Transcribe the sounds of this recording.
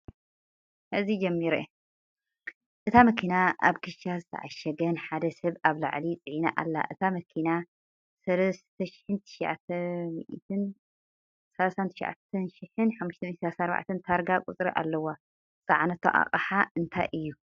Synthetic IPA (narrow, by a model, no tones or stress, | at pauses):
ʔɨzid͡ʒɐmːiɾe | ʔɨt̪ʰamɐkʰinaʔa̰βkʰɨʃazɨt̪ʰɐ̰ʕaʃɐɡɐnħad̪ɐsɐβaβla̰ʕlit͡sʼɨʕinaʔa̰lːa̰ʔɨt̪ʰamɐkʰina | sɐlɐst̪ʰɐʃɪ̥ħɨnt̪ʰɨ̥ʃʕa̰t̪ʰɐmḭʔt̪ʰɨn | sɐlasant̪ʰɨ̥ʃʕa̰t̪ʰɐnʃɪħɨnħamːuʃt̪ʰɐmit̪sɐlasanaɾba̰ʕt̪ʰɐnt̪ʰaɾɡakʼut͡sʼɾiʔa̰lːɐwa | t͡sʼaʕnɐt̪ʰo̰ʔa̰qʼɐħaʔɨnt̪ʰajʔɨjːu